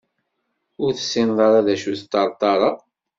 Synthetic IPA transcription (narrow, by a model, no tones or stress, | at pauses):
ʊɾθə̥sːɪnðˤɑɾɑðæʃuθt̪ːɑɾˤt̪ˤːɑɾˤɑ